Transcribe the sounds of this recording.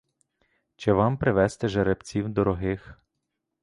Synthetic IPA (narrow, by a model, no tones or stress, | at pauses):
t͡ʃɛʋɑmpɾɪʋɛst̪ɛʒeɾebt͡sʲiwd̪ɔɾɔɦɪx